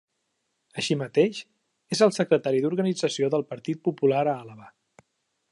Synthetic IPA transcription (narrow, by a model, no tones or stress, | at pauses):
əʃimət̪eʃ | ezəlˠsəkɾət̪aɾiðuɾɣənid͡zəsioðəlˠpəɾt̪it̪̚pupulaɾəaləβa